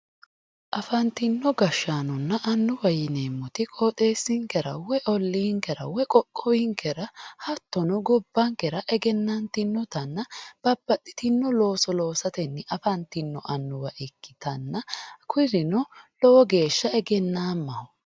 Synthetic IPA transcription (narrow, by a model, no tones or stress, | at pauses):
ʔɐfɐnt̪ɪnːɔɡɐʃːaːnɔnːɐʔɐnːʊwɐjɪneːmːɔt̪ɪkʼoːt̪ʼe̞ːsːɪŋkɛɾɐ̰wɛʔɔlːiːŋkɛɾɐ̰wɛkʼɔkʼːɔwɪŋkʰɛɾɐhɐt̪ːɔnɔɡɔbːɐŋkɛɾɐʔɛɡɛnːɐnt̪ɪnːɔt̪ɐnːɐb̥ɐb̥ːɐt̪ːɪ̥t̪ɪnːɔlo̞ːsɔlo̞ːsɐt̪ɛnːɛʔɐfɐnt̪ɪnːɔʔɐnːʊwɐʔɛkːɪ̥t̪ɐnːɐkʰʊɾɪnɔlɔwɔɡe̞ːʃːɐɛɡɛnːaːmːɐhʊ